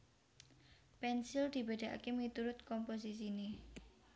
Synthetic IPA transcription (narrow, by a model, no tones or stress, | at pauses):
pɛnsild̪̥i̤beɖ̥a̤ʔa̰kemit̪uɾʊt̪̚kɔmpos̬is̬ine